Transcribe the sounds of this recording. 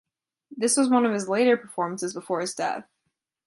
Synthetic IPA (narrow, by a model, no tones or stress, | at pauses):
ðɪswʌzwʌ̃nʌv̥ɨzleɪɾə˞pʰə˞fɔɹmn̩sɨzbəfɔɹɨzdɛ̰θ